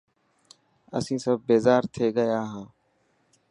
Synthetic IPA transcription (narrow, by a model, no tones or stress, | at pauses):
ə̰sĩːsəbːeːzaːɾt̪ʰeːɡəjaːɦãː